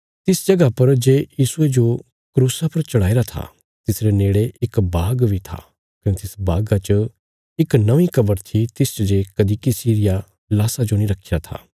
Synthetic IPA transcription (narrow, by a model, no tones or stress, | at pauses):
t̪ɪsd͡ʒɐɡapɐɾd͡ʒeːjiːsʊed͡ʒo | kɾuːsapɐɾt͡ʃɐɽaːiɾat̪ʰa̰ | t̪ɪsɾeneːɽeɪkbaːɡbʱit̪ʰa̰ː | kɐnet̪ɪsbaːɡat͡ʃə | ɪknɐʋĩkɐbəɾt̪ʰit̪ɪst͡ʃɐd͡ʒeːkɐd̪ikisiːɾɪja | laːsad͡ʒonĩɾɐkʰiɾat̪ʰa̰ː